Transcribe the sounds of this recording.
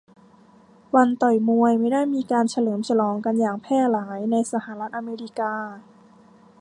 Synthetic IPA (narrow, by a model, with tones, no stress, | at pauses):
wa˧nt̪ɔ˨˩jmu˧əjma˥˩jdaː˥˩jmiː˧kaː˧nt͡ɕʰa˧lɤː˩˦mt͡ɕʰa˧lɔː˧˦ŋka˧njaː˨˩ŋpʰɛː˥˩laː˩˦jna˧jsa˧ha˧˩˦la˦˥t̪̚ʔa˧meː˧ɾi˦˥kaː˧